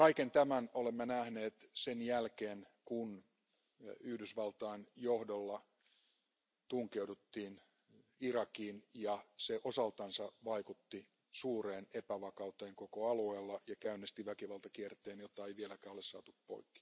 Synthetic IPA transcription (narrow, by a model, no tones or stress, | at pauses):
kɑikent̪æmænolemːenæhneːt̪senjælkeːn | kun | yhdysʋɑlt̪ɑːnjohdolːɑ | t̪uŋkeudut̪ːiːn | irɑkiːnjɑseʔosɑlt̪ɑnsɑʋɑikut̪ːi | suːreːnepæʋɑkɑut̪eːŋkokoɑlueːlːɑjɑkæynːest̪iʋækiʋɑlt̪ɑkiert̪eːnjot̪ːɑeiʋielækæːolessɑ̰ːt̪uppo̰ikːi̥